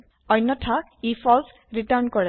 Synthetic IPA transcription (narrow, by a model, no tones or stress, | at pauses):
ɔjnːɔtʰa | ifʰɔls | ɹitaɹnkɔɹɛ